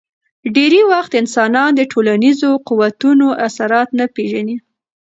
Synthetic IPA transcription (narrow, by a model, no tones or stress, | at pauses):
ɖeɾewaxt̪ɪnsɑnɑnd̪əʈʰolanizoquwat̪unoʔasaɾɑt̪napeʒani